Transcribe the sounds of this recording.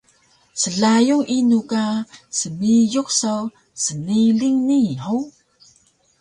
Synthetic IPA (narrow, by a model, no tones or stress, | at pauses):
səɮajuŋʔinukasəmijuk̚saw | səniɮiŋnihow